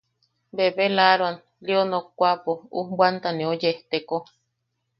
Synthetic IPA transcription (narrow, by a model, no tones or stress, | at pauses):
beβelaɾwan | lionokʷapoṵhbwant̪anẽojeht̪eko